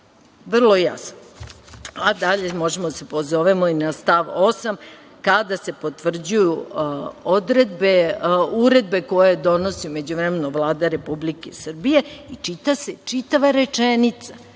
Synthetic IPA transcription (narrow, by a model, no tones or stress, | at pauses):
ʋr̩lˠoja̰sno | ad̪aʎe̞mo̞ʒe̞mod̪asepozoʋemoinast̪aʋo̞sam | kad̪ase̞pot̪ʋr̩d͡ʑuju | od̪ɾe̞d̪beuɾe̞d̪̚be̞ko̞jed̪o̞no̞siome̞d͡ʑuʋɾemenoʋlˠaːd̪aɾe̞publikesr̩bije̞it͡ʃit̪ase̞t͡ʃit̪aʋaɾe̞t͡ʂenit̪sa